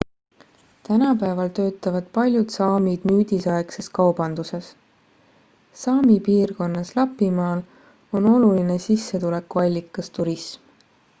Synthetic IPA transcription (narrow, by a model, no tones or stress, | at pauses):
t̪ænɑpæevɑlt̪ø̞ːt̪ːˑɑvɑd̪̥pɑlʲjud̪sɑːmid̪̥myːd̪isɑekse̞skɑwb̥ɑnd̪use̞s | sɑːmipiːrko̞nːɑslɑpːˑimɑːl | o̞no̞luline̞sisːet̪ule̞kːuɑlʲːikːˑɑst̪uɾism